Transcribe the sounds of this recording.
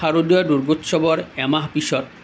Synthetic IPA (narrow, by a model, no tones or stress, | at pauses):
aɾod̪iaɖuɾɡot̪ːʃɔbɔɾɛmaɦpiʃɔɾ